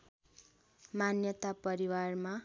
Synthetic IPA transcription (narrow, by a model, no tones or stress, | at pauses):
manjʌt̪apʌɾiwarma